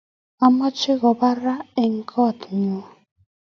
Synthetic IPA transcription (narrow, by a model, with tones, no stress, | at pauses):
a˦mɔ˦t͡ʃɪ˦ɣɔ˨ba˦ɾa˦e˨ŋ̩˨kʰɔ˦˨tŋu˦